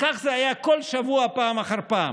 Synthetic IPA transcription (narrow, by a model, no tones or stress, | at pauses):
kaχzeajakolʃavuapaːmaχaɾpa̰ːm